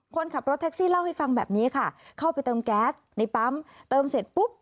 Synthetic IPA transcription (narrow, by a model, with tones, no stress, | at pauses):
kʰo˧nkʰa˨˩p̚ɾo˦t̪ʰːɛ˦˥k̚siː˥˩la˥˩wha˥˩jfa˧ŋbɛ̰ː˨˩p̚niː˦˥ɐ˨˩kʰa˥˩kʰa˥˩wpa˧jt̪ɤː˧mkɛː˦˥t̪̚na˧jpa˦˥mt̪ɤː˧mse˨˩t̪̚pu˦˥p̚